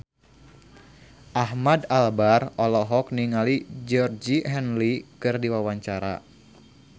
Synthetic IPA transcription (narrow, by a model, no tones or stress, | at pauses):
ʔahmadalbarɔlɔɦɔk̚niŋalid͡ʒɔrd͡ʒiɦɛnlikɨrdiwawaɲt͡ʃaɾa̰